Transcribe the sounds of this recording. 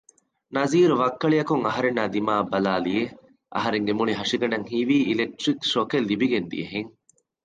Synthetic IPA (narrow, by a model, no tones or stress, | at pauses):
nɐziːɾuʋɐkːɐɭijɐkuŋɐɦɐɾenːaːd̪imaːbɐlaːlie | ʔɐ̰ɦɐɾeŋɡemuniɦɐʂiɡɐnɐŋhiːʋiːilek̚ʈɾikʃokelːibiɡend̪ḭjɐɦeŋ